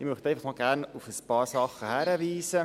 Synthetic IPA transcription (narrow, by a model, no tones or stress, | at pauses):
ɪmyχtɛɪfəχmɑːlɡærnufəspɑːrsɑχəhæɾəviːsə